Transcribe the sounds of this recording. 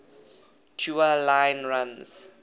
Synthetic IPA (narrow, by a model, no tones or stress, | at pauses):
tʰjualãjnɹãns